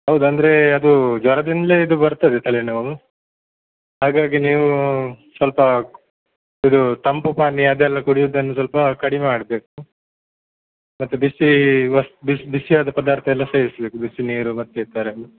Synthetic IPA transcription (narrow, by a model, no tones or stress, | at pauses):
ɦɐwd̪uɐnd̪ɐɾeɐd̪ud͡ʒʋɐɾɐd̪ind̪ɐleːid̪ubɐɾt̪ɐd̪et̪ʰɐlenɐɐ | ɦaːɡaːɡiniːʋusʋɐlpɐ | id̪ut̪ɐmpupaːnːiɐd̪ɛlːɐkuɽijud̪ɐnːus̬ʋɐlpɐkɐɽimeaːɽbe̞ːku | mɐt̪ːubisːiʋɐsbisbisijaːd̪ɐpɐd̪aːɾt̪ʰɐɛlːɐseːɾisɐbe̞ːkubisːiniːɾumɐt̪ːeiɾt̪aːɾenu